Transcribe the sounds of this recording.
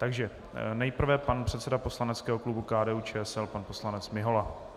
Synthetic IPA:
t̪aɡʒɛ | nɛjpr̩vɛpanpr̝̥ɛt̪sɛdapo̞slanɛt͡skɛːɦoklubukaːdɛːut͡ʃɛːɛsɛlpanpo̞slanɛt͡smɪɦo̞la

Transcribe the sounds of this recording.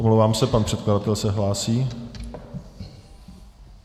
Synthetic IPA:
omlowvaːmsɛpanpr̝̥ɛt̪̚kladat̪ɛlsɛɦlaːsiː

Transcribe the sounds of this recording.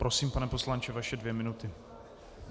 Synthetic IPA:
pɾosiːmpanɛpo̞slant͡ʃɛvaʃɛdvjɛmɪnut̪ɪ

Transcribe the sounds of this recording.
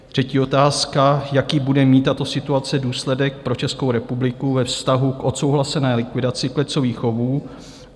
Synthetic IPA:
t̪r̝̥ɛciːo̞t̪aːskajakiːbudɛmiːt̪ːat̪o̞sɪt̪uat͡sɛduːslɛdɛk̚pɾo̞t͡ʃɛskowɾɛpublɪkuvɛfst̪aɦukʔo̞t̪so̞wɦlasɛnɛːlɪkvɪdat͡sɪklɛt͡soviːxo̞vuː

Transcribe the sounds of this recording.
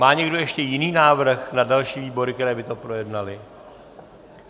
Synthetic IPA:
maːɲɛɡdo̞jɛʃcɛjɪniːnaːvr̩xnadalʃiːviːbo̞ɾɪkt̪ɛɾɛːbɪt̪o̞pɾo̞jɛdnalɪ

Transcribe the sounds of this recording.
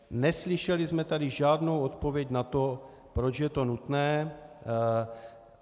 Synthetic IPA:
nɛslɪʃɛlɪzmɛt̪adɪʒaːd̪nowot̪po̞vjɛcnat̪o̞ | pɾo̞t͡ʃjɛt̪o̞nut̪nɛː

